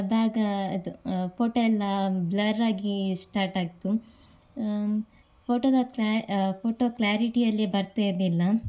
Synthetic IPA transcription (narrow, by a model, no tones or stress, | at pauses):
ɐb̪aːɡɐɐd̪upʰoːʈoːɛlːɐblɐɾːaːɡisʈaːɾʈaːɡit̪u | pʰoːʈoːd̪ɐkːpʰoːʈoːkljaːɾiʈijɐlːibɐɾt̪edilːɐ